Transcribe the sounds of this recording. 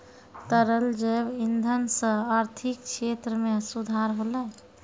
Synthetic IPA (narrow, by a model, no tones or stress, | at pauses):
t̪əɾəld͡ʒəbind̪ʱənsə̃aɾt̪ʰik̚kʃʰet̪ɾəmeəsud̪ʱaɾɦolɛ